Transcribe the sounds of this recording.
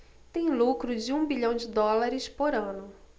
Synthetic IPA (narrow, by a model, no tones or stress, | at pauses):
t̪ẽj̃lukɾʊd͡ʒɪũbiʎɐ̃w̃d͡ʒɪd̪ɔlaɾɪspoɾɐ̃nʊ